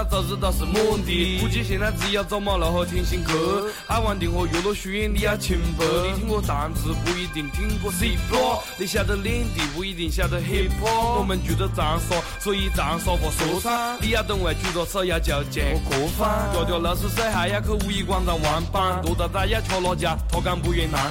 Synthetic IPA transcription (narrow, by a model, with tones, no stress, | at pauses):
a˧t͡sa˧˩ʈ͡ʂ̩˥˧d̪ɑ˧ʂə˧mɔ˥˧t̪i˨˩u˧t͡ɕi˧ɕ̬ɛ˨˩na˥˧t͡sɹ̩˧ja˧t͡sɑ˥˧mɑ˥˧la˨˧xɔ˧t̪ʰɛ˥˧nɕi˧˥ŋkʰə˧˥ | a˥˩wa˧˥nt̪i˨ŋxwɔ˧˩jo˨˩lo˥˧ɕy˧˥jɛ˥˧nli˧ja˥˧t͡ɕʰi˧˥nfə˧˥i˧t̪ʰi˥ŋkwɔ˥˧t̪a˨˦˧nt͡sɹ̩˧˥pu˧i˧t̪i˨˩ŋt̪ʰi˥ŋkɔ˥˧si˥˧pʰɔ˧˥li˧ɕ̬ja˥˧d̪ə˧ljɛ˥nt̪i˨˩pu˧˥i˧˩t̪i˧˩ŋɕja˥˧d̪ə˨˧ɦe˥˧pʰɔ˥wɔ˨˩mə˨nt͡ɕɛ˧˥d̪ə˧t͡sa˨˧˦nswɔ˥˧ | sɔ˧˥i˧t͡sa˨˦˧sɔ˧fɔ˧˩so˨˧˦sʰa˥li˥˧ja˧˩t̪ə˧ŋwa˨˧˩t͡ɕu˥˧˩t͡sɔ˧˩sa˥˧ja˧t͡ɕa˧˩t͡ɕɛ˨˩˧kɔ˨˧˥fa˧˥t͡ɕjɔ˧ʊt̪jɔ˥˧˩la˧s̩˥˧sa˥˧ɪɦa˧˥ɪja˥˧kʰə˧u˧i˧kwa˥˧nt͡sa˧˩nwa˧˥npa˥˧nt̪o˧˥t̪a˧t̪a˥˧ja˥˧t͡ɕʰɔ˧ʊlɔ˧t͡ɕja˧t̪ʰɔ˥˧ka˥˧npu˧ɥɛ˧na˧˦